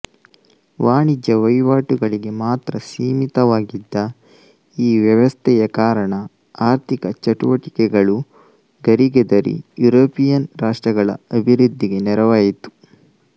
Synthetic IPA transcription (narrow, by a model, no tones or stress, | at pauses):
ʋaːɳid͡ʒɐʋɐjʋaːʈuɡɐɭiɡe̞maːt̪ɾɐsiːmit̪ɐʋaːɡid̪ːɐ | iːʋjɐʋɐst̪ʰɛjɐkaːɾɐɳɐ | aːɾt̪ʰikɐt͡ʃɐʈṵʋɐʈikɛɡɐɭu | ɡɐɾiɡɛd̪ɐɾḭjuɾoːpijɐnɾaːʂʈɾɐɡɐɭɐ̰ɐbʱiɾud̪ʱːiɡe̞nɛɾɐʋaːjit̪u̥